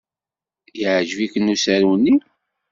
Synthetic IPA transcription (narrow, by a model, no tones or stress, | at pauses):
jəʕʒvikənusæɾwnːi